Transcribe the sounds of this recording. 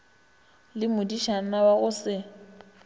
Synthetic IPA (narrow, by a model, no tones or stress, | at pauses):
lɪmʊdiʃan̩nawaɣʊsɪ